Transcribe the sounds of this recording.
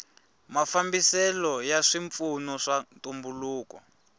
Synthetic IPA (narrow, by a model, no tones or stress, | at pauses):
mafambisɛlɔjaʂiɱp̪funɔʂantumbuluːkɔ